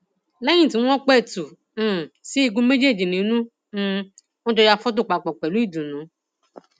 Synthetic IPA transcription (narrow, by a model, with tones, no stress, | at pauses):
lɛ˦jĩ˦˨tĩ˨˦ɔ̃˦k͡pɛ˦˨tũ˨˦˨ | si˦i˧ɡũ˦me˦d͡ʒe˦˨d͡ʒi˨nĩ˨˦nũ˦ | ɔ̃˦tɔ˧ja˧fɔ˦t̬u˦˨k͡pa˨k͡pɔ˨k͡pɛ˨lu˨˦i˦˨dũ˨nũ˨˦